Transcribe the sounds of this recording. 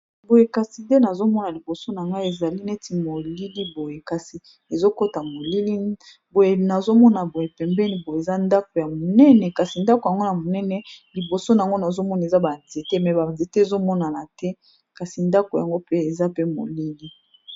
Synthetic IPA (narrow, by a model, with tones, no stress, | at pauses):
bo˨je˨ka˨si˨de˦na˨zo˦mɔ˦na˨li˨bo˨so˦na˨ŋɡa˦e˨za˨li˦nɛ˦ti˨mo˨li˦li˦bo˨je˨ka˨si˨ | e˨zo˦ko˦ta˨mo˨li˦li˦ | bo˨je˨na˨zo˦mɔ˦na˨bo˨je˨pɛ˨mbɛ˦ni˨bo˨je˨e˨za˦nda˦ko˨ja˨mo˨nɛ˦nɛ˨ka˨si˨nda˦ko˨ja˨ŋɡo˦na˨mo˨nɛ˦nɛ˦li˨bo˨so˦na˨a˨ŋɡo˦na˨zo˦mɔ˦na˨e˨za˦ba˨nze˨te˦mɛ˨ba˨nze˨te˦e˨zo˦mɔ˦na˨na˨tɛ˦ | ka˨si˨nda˦ko˨ja˨ŋɡo˦pe˦e˨za˦pe˦mo̰˨li˦li˦